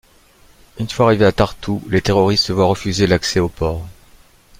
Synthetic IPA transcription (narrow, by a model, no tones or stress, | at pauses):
ynfwaːʁiveat̪aʁt̪ʰulet̪eʁɔʁist̪əvwaʁəfyzelaksɛopɔːʁ